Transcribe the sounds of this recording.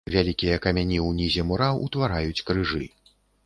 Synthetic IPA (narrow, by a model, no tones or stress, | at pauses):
vʲalʲikʲijɐkɐmʲanʲiwnʲizʲɛmuɾawut̪vaɾajut͡sʲkɾɨʐɨ